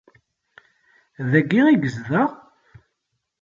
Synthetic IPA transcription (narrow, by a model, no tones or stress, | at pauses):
ðæɡːiʁiɡəzðəʁ